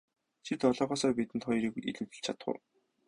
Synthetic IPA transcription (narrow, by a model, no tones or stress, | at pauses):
t͡ɕʰit̪ɔɮɔːχɔːsɔːrpit̪ɘ̆nt̪χɔjriːɣḭɮŭwt̪ɘ̆ɮt͡ɕʰat̪χʊ̰̆w